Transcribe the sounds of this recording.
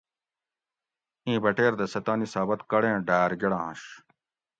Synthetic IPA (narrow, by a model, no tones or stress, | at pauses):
ĩːbɐʈeːɾd̪ɐsɐt̪aːnisaːbɐt̪kɐɽẽːɖaːɾɡeɽãːɐ̰̃ɕ